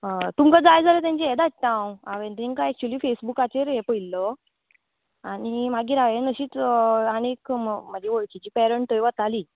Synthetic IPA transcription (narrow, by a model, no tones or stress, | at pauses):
t̪umkad͡zajd͡zalet̪̬jãɲt͡ɕeɛd̪at̪ãwaʋẽnt̪ɾĩŋkaɛk̚t͡ɕwuliːfesbukat͡ɕeɾɦepəilːɔ | aɽimaɡiːɾaʋenəɕiːt͡sanekmməd͡ʑeʋoɭt͡ɕid͡ʑiːpɛɾəɳʈəjʋat̪aliː